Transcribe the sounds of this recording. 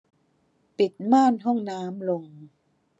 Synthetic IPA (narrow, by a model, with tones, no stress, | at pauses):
pi˨˩t̪̚maː˥˩nɦɔ˥˩ŋnaː˦˥mlo˧ŋ